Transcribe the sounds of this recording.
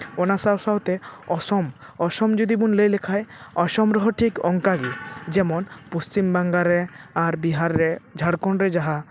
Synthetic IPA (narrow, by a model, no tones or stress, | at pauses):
onasawsaot̪eɔsɔmɔsɔmd͡ʒod̪ibunlejlekʰajɔʃɔmɾɔɦɔʈʰikɔŋkaɡid͡ʒɛmɔnpost͡ʃimbaŋɡaɾeaɾbiɦaɾːed͡ʒʱaɽkɔɳɾed͡ʒaɦa